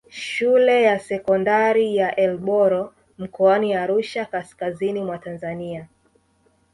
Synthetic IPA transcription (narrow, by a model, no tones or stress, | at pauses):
ʃulɛjasɛkɔndaɾijaʔɛlɓɔɾɔ | m̩kɔaniaɾuʃakaskazinimwatanzania